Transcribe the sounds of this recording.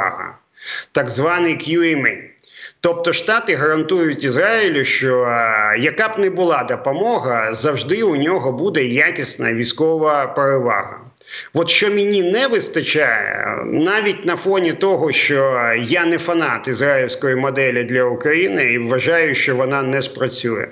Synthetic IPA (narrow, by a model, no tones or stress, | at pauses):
ɦɐ̰ | t̪ɐɡzʋɑnɪjkjuimɪn | t̪ɔp̚t̪ɔʃt̪ɑt̪ɪɦɐɾɐnt̪ujʊtʲizɾaɪlʲʊʃt͡ʃɔjɐkabnɛbʊlˠɑd̪ɐpɔmɔɦɐzɐwʐd̪ɪʊnʲɔɦɔbud̪ɛjakʲɪsnɐ̰ʋʲijsʲkɔʋɐpeɾɪʋɑ̰ɦɐ̰ | ʋɔt̪ʃt͡ʃɔmʲɪnʲinɛʋɪst̪ɐt͡ʃaj̰ɛ̰naʋʲitʲnɐfɔnʲit̪ɔɦɔʃt͡ʃɔjanɛfɐnɑt̪ɪzɾailʲsʲkɔjimɔd̪ɛlʲɪd̪lʲɐʊkɾɐjinɪiʋːɐʒɑjʊʃt͡ʃɔʋɔnɑnɛspɾɐt͡sʲujɛ̰